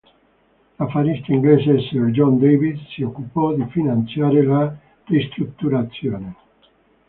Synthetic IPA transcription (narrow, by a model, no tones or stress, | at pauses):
lafaɾist̪aiŋɡlesesed͡ʒɔnd̪ejβid̪siokupɔd̪ifinansjaɾela | d̥est̪ɾuk̚t̪uɾat̪sjone